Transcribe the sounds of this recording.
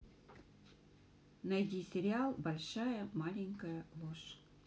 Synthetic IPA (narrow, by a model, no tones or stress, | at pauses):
nɐjdʲisʲɪɾʲɪalˠbɐlʲʂajəmalʲɪŋʲkəjəlˠoʂ